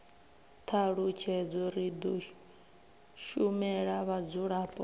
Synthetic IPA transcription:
t̪ʰaɺut͡ʃʰɛd͡zɔɾid̪ɔ | ʃumɛɺaβad͡zuɺaːpʼɔ

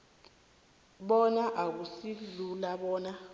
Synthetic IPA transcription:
ɓɔnaʔak̬usilulaɓɔːna

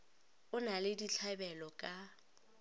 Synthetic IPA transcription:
ʊnalɪdiɬʰabɛlɔkʼa

